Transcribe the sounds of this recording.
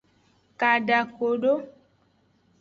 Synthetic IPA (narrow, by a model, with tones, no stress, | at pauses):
ka˨ɖa˨ko˨ɖo˦